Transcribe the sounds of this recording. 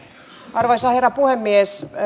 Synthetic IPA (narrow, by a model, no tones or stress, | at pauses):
ɑrʋɑisɑherːɑpuhemːies